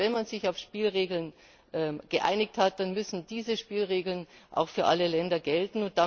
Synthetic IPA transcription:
vɛnmanzɪçaʊfʃpiːlʁeːɡl̩n | ʔɛmɡ̥əʔa̰ɪnɪkthat̚d̥anmʏsn̩diːzəʃpiːlʁeːɡl̩nʔa̰ʊxfyːɐʔaləlɛndɐɡɛltn̩ʊnt̚d̥a

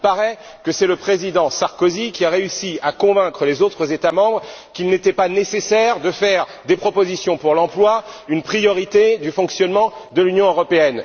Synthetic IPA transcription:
ilpaʁɛ | kəsɛləpχezid̪ɑ̃saʁkozikʲiaʁeysiakɔ̃vɛ̃kχəlezot̪χəzet̪amɑ̃bʁkilnet̪ɛpanesesɛʁd̪əfɛʁd̪epχɔpozisjɔ̃puʁlɑ̃plwaynpχijɔʁit̪ed̪yfɔ̃ksjɔnmɑ̃d̪əlynjɔ̃øʁɔpeɛn

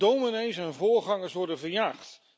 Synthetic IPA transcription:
dowminejsɛnvʊːɹχɑŋəɹsʋɔɹdənvəɹjaːχt

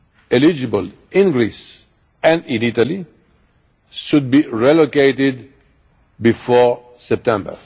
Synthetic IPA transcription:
ɛlid͡ʒɨbəl | ɪ̃nɡɹis | æ̃ndɪ̃nitali | ʃʊd̪̚biɹɛlokeɪtɪd | bifɔɹ | sɛp̚tɛ̃mbə̰˞

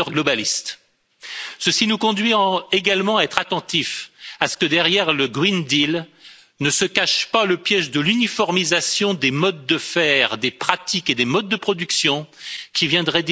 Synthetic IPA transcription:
œʁɡlɔbalist̪ | səsinukɔ̃d̪ɥieɡalmɑ̃aɛt̪χat̪ɑ̃t̪ifasə̥kəd̪ɛʁjɛʁləɡʁind̪il | nəsəkaʃpaləpjɛʒd̪əlynifɔʁmizasjɔ̃d̪emɔd̪̚ːəfɛʁd̪epχat̪iked̪emɔd̪̚ːəpχɔd̪yksjɔ̃kʲivjɛ̃d̪ʁɛd̪

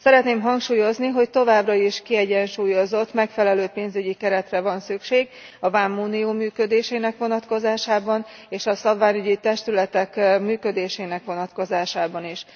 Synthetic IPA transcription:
sɛɾɛt̪neːmɦɒŋkʃuːjo̞zniɦo̞ct̪o̞vaːbrɒiʃkiɛɟɛnʃuːjo̞zo̞t̪ːmɛkfɛlɛløːpeːnzyɟikɛɾɛt̪rɛvɒnsykʃeːɡɒvaːmːuːnioːmyːkød̪eːʃeːnɛkʋo̞nɒt̪ko̞zaːʃaːbɒneːʃɒsɒbvaːɲyɟit̪ɛʃt̪ylɛt̪ɛkmyːkø̞d̪eːʃeːnɛkʋo̞nɒt̪ko̞zaːʃaːbɒniʃ

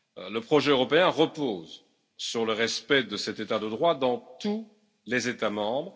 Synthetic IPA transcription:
ləpχɔʒɛøʁɔpeɛ̃ʁəpoːz | syʁləʁɛspɛd̪əsɛt̪et̪ad̪əd̪ʁwad̪ɑ̃t̪u | lezet̪amɑ̃bʁ

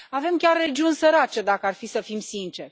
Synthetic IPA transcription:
ave̞mkʲarːe̞d͡ʒiunʲsəɾat͡ʃe̞d̪akəarfisəfimsint͡ʃe̞rʲ

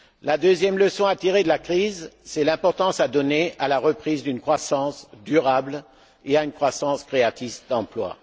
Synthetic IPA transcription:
lad̪øzjɛmləsɔ̃at̪iʁed̪əlakχizsɛlɛ̃pɔʁt̪ɑ̃sad̪ɔneʔalaʁəpχizd̪ynkχwasɑ̃sd̪yʁabl | eaynkχwasɑ̃skχeat̪isd̪ɑ̃plwa̰

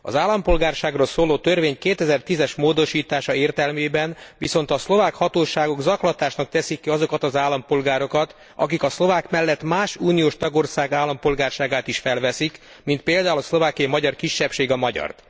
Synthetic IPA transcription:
ɒ̰zaːlːɒmpo̞lɡaːrʃaːɡroːlsoːloːt̪ørveːɲkeːt̪ɛzɛrt̪izɛʃmoːd̪o̞ʃiːt̪aːʃɒeːrt̪ɛlmeːbɛnviso̞n̪t̪ɒslo̞vaːkhɒt̪oːʃaːɡo̞ɡzɒklɒt̪aːʃnɒk̚t̪ɛsikːiɒzo̞kɒt̪ɒzaːlːɒmpo̞lɡaːɾo̞kɒt̪ | ɒ̰kikɒslovaːkmɛlːɛt̪maːʃuːnijoːʃt̪ɒɡo̞rsaːɡaːlːɒmpo̞lɡaːrʃaːɡaːt̪iʃfɛlvɛsik | mint̪̚peːld̪aːulɒslo̞vaːkijɒimɒɟɒrkiʃːɛpʃeːɡɒmɒɟɒ̰rt̪

